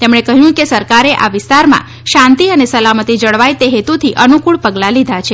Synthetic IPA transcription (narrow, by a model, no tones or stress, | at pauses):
t̪emɳ̃ekəɦjũkesəɾkaɾeʔa̰ʋɪst̪aɾmã̰ | ʃãnt̪iənesəlamət̪id͡ʒəɭʋajt̪eɦet̪ut̪ʰiʔənukuɭpəɡlalid̪ʱat͡ʃʰe